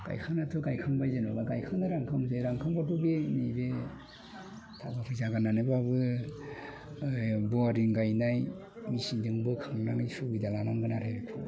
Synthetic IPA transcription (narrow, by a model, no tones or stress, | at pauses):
ɡ̥a̰jkʰanatʰɯɡajkʰaŋbajzenɡaɡajkʰaŋnaɾaŋkʰamzeɾaŋkʰaŋbatubenibe | tʰabapʰɯzaɡananɯbabɯ | bɔaɾiŋɡajnaj | misiŋdɯŋbɯkʰaŋnaŋisuɡidalanaŋɡɯnaɾejɾekʰɯ